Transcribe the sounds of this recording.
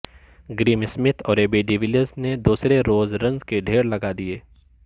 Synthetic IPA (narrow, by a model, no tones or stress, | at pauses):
ɡɾiːmɪsmɪt̪ʰɔːɾeːbeɖiʋɪləzned̪uːsɾeɾoːzɾɐ̃ŋzkeɖʱeːɾlɐɡad̪ieː